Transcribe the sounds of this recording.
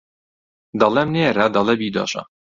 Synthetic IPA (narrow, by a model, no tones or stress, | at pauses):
d̪ɑlɛmneːɾad̪ɑlˠɛbiːd̪ɑ̰ʃɑ̰